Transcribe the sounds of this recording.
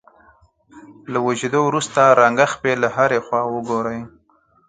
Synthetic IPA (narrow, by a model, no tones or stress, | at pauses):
lawaʒed̪owɾust̪aɾaŋɡaxpelaɦaɾexwɑwəɡoɾəj